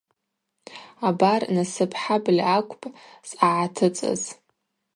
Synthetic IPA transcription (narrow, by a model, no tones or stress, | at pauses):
abarnasɨpʰħablʲakʷʰʼpʼsʼaʕatʰɨt͡sʼa̰z